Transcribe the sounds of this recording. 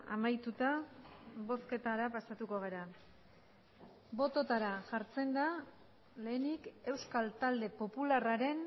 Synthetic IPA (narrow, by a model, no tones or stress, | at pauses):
a̰majt̪ut̪a | βo̞ske̞t̪aɾapasat̪uko̞ɣ̞eɾa | bo̞t̪o̞t̪aɾaʝaɾt͡se̞nd̪a | le̞ːnike̞wskalt̪ald̪e̞po̞pularaɾe̞n